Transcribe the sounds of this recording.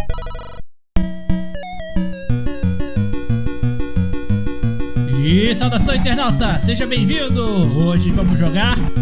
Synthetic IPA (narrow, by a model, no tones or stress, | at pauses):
isawd̪asɐ̃w̃ĩnt̪eɾnawt̪ɐseʒɐbẽj̃vĩd̪ʊoʒɪvɐ̃mʊzʒoɡaɾ